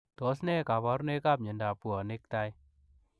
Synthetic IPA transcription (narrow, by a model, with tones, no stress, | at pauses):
tɔ˨˦snɛ˦ka˨bɔ˨˦ɾne˦ka˦p̚ɲe˨nda˨pu˨ɔ˨ne˦k̚ta˦j